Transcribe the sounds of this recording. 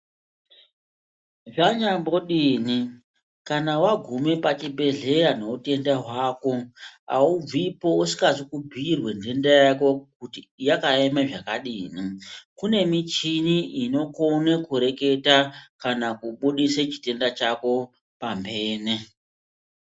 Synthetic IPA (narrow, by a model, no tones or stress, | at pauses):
ʐaɲambo̞ɗiːni | kanawaɡʱume̞pat͡ʃibʱe̞ɮe̞ɾano̞ute̞ndaɦwaːko̞a̰ub͡vipo̞usi̥kazikubʱirwe̞nde̞ndejako̞kutijakaemeʐakaɗiːnikune̞mit͡ʃiniʔino̞konekuɾe̞ke̞takanakuɓuɗiset͡ʃi̥te̞ndat͡ʃako̞ | pambe̞ːne